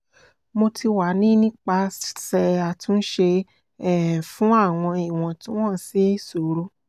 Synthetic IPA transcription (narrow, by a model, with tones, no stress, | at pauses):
mo˧tʰi˧wa˨˦nĩ˦nĩ˦k͡pa˧ssɛ˧a˨tũ˧˦n̩˦ʃe˧ | ɛ˦˨fũ˦a˦˨w̃ɔ̃˧i˨w̃ɔ̃˨tĩ˦w̃ɔ̃˦˨si˦so˨ɾo˦